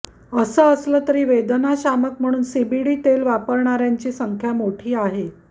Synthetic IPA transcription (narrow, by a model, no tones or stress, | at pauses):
əsəəslət̪əɾiːʋed̪naɕamək̚m̤əɽ̃uːnsibiɽiːt̪elʋapəɾɳaɾjaɲt͡ɕiːsəŋkʰjamoʈʰiːaɦe